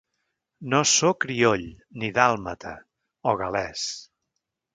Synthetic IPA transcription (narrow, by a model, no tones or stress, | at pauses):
nosokɾioʎ | niðalˠmət̪ʰə̰ | ɔɣəlɛs